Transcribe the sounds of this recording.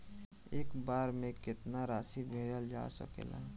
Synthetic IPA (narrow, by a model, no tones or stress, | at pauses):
eːkbaːɾmẽkɪt̪naɾaːsibʱeːɖəld͡ʒa̰sə̰kḛla̰